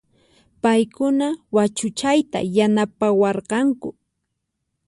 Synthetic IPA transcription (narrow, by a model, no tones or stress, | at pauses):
pajkʊnawat͡ʃʊt͡ʃajt̪a̰janapawɑɾqɑŋkʊ